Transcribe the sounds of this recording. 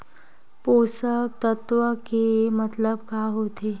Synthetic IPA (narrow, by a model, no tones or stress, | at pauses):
posət̪ət̪ʋəkemət̪ləb̚kaɦoːt̪e